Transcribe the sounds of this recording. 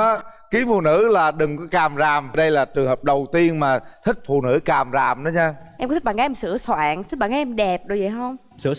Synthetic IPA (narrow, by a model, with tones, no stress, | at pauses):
ki˨˦fṵ˧˨nɨ̰˧˥laː˨˩ɗɨ˨˩ŋkɔ˨˦kaː˨˩mzaː˨˩m˩ɗə˧jlaː˨˩t͡ɕɨ˨˩əŋhəː˨˩p̚ɗə˨˩wt̪i˧ənmaː˨˩t̪ʰï˦˥k̟̚fṵ˧˨nɨ̰˧˥kaː˨˩mzaː˨˩mɗə˨˦ɲaː˧ʔɛ˧mk̪̚ʰɓaː˧˨ŋaː˨˦ʔɛ˧msɨ̰˧˥əswa̰ː˧˨ŋt̪ʰi˦˥ɓaː˧˨ŋkːaː˨˦ʔɛ˧mɗɛ˨˩p̚ɗo˨˩jə̰˧˨jɦə˧wŋ͡m | ɨ̰˧˥ə